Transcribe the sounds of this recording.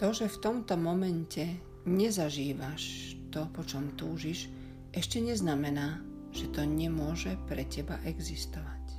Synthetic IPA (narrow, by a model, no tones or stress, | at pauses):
t̪ɔʒɛft̪ɔmt̪ɔmɔmɛncɛ | ɲɛzaʒiːʋaʃt̪ɔpɔt͡ʃɔmt̪uːʒiʃ | ʔɛʃcɛɲɛznamɛnaː | ʒ̥ɛt̪ɔɲɛmʊɔʒɛpɾɛcɛbaʔɛɡzist̪ɔʋac